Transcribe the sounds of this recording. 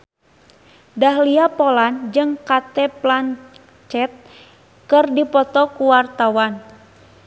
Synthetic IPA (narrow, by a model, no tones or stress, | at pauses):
daɦliapoland͡ʒɨŋkat̪ɛplan | t͡ʃɛt̪̚ | kɨrdipɔt̪ɔkuwart̪awan